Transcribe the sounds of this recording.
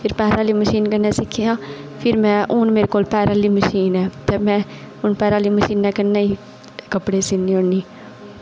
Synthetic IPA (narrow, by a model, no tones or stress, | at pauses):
pʰɪɾpɛːɾaːliːməʃiːnkənːɛ̃ːsɪkʰːijãːpʰɪɾmɛ̃ːʔʊːnmeːɾekoːlpɛːɾaːliːməʃiːnɛːt̪eːmɛ̃ː | ʊnpɛːɾaːliːməʃiːnːɛ̃ːkənːeːiː | kəpɽeːsɪniːoɳːiː